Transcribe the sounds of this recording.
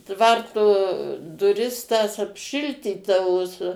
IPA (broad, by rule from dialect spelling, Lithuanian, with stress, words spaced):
ˈtʋɐrtoː dʊˈrʲɪs tɐs ɐpʲˈʃʲɪlʲtʲiːtɐʋoː sʊ